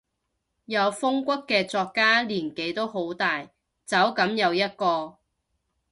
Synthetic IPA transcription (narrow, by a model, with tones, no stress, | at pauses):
jɐ˨˧wfʊ˥ŋkʷɐ˥kːɛː˧t͡sɔː˧kːaː˥liː˨˩nke˨˥jt̪o˥wɦo˨˥wt̪aː˨j | t͡sɐ˨˥wkɐ˨˥mjɐ˨˧wjɐ˥t̚kɔː˧